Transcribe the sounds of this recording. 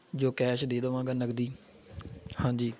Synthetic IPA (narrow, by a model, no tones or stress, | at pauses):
d͡ʒoːkɛːʃd̪eːd̪əʋãːɡənəɡd̪iː | hãːd͡ʒiː